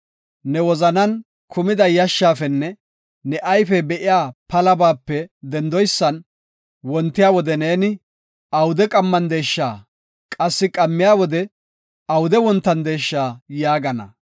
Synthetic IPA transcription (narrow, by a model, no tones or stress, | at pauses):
nɛwɔzɐnɐn | kʰʊmɪd̪ɐjɐʃːaːfɛnːɛ | nɛʔɐjfɛbɛʔɪjaːpɐlɐbaːpːɛd̪ɛnd̪ɔjsːɐn | wɔnt̪ːɪjaːwɔd̪ɛneːnɪ | ɐwʊd̪ɛkʼɐmːɐnd̪eːʃːaː | kʼɐsːɪkʼɐmːɪjaːwɔd̪ɛ | ɐwʊd̪ɛwɔnt̪ːɐnd̪e̞ːʃːaːjaːɡɐnɐ̰